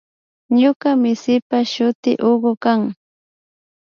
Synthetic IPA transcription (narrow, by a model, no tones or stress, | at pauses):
ɲʊkamɪsɪpaʃʊt̪ɪ̰ʔoɢʊkaŋ